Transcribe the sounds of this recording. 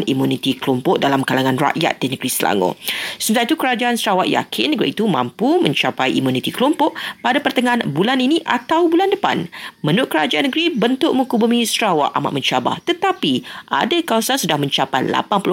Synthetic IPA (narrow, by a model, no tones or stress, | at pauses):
nimunit̪ikəlompɔʔ̚dalamkalaŋãnra̰ʔja̰t̪̚d̥inəɡɾisəla̰ŋo̰səmət̪ait̪ukəɾad͡ʒaʔansəɾawaʔja̰kʰɪnːəɡɾiit̪umã̰mpumə̃ɲt͡ʃapajimunit̪ikəlɔmpɔʔpadapərt̪əŋanbulaniniʔa̰t̪awbulandəpa̰nmə̃nʊʔ̚kəɾad͡ʒaʔanəɡɾibənt̪ʊʔ̚mũkubumĩsɾawa̰ʔa̰ma̰ʔməɲt͡ʃaba̰ht̪ət̪apiʔa̰dakawasansudahmə̃ɲt͡ʃapajla̰panpl